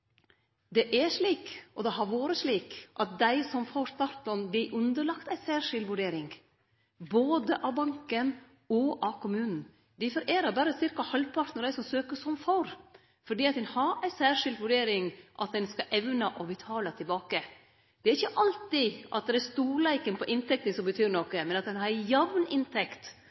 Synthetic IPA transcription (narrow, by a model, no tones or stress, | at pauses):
d̪ɛʔɛʂliːkʔɔd̪ɛɦɑɾʋoːɾəsɭiːkʔɑt̪̚d̪æɪsɔmfoːɾst̪ɑɾt̪ɔnblɪʔʉnd̪əɾɭɑkt̪æɪsæːʂɪld̪ʋʉɖeːɾɪŋ | boːd̪əʔɑʋbɑŋkən | ɔʔɑkʰʊmʉːnn̩ | d̪ɪfɔɾʔeːɾɑɾbæːɾəsɪɾkɑhɑlpʰɑɾt̪nəɾd̪æɪsɔmsøːkəsɔmfoɾ | fɔɖiːɑt̪̚d̪ɛnhɑɾæɪsæːʂɪld̪ʋʉɖeːɾɪŋʔɑt̪̚d̪ɛnskɑʔɛʋnɑʔɔbɪt̪ʰɑːlət̪ʰɪlbɑːkə | d̪ɛæɾɪçːəʔɑlt̪ɪʔɑ̰t̪̚d̪ɛɾæst̪uːɾɭæɪkənpʰɔʔɪnt̪ʰɛkt̪ənsɔmbət̪ʰyːɾɳɔkəmɛnɑt̪̚d̪ɛnɑɾjɑʋnɪnt̪ʰɛkt̪